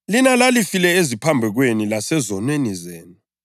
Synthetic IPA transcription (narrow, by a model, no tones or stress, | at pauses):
linalalifilɛezipʰambʱɛɣ̬wenilasɛzɔnwenizeːnu